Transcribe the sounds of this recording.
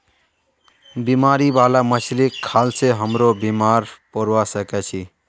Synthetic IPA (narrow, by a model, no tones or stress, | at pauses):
bimaɾibalaməslikʰːalseɦəmɾobimaɾpəɾwasəkɛt͡ʃʰi